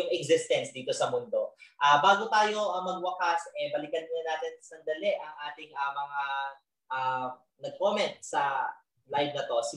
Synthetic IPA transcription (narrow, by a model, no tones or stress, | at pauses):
ʊŋɛɡzɪst̪ɛnsd̪iːt̪o̞sɐmʊnd̪o̞ʔaːbaːɡot̪aːjo̞ʔɐmɐɡ̚wɐkasʔɛbɐlɪkɐnnɐnaːt̪ɛnsɐnd̪ɐlɛʔɐŋʔaːt̪ɪŋʔɐːmɐŋa | ʔa | nɐɡ̚koːmɛnt̪̚sɐ | lajvnɐt̪o̞sɪ